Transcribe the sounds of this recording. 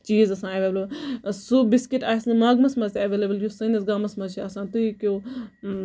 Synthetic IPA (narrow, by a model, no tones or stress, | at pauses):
t͡ʃiːzɐsãːeʋeːblɐbsubɪskiʈaːisnɐmaːɡmɐsmɐzt̪ʲɐʋeːlebəljusɐnɐsɡaːmɐsmɐt͡ʃʰiɐsãːt̪uikjoː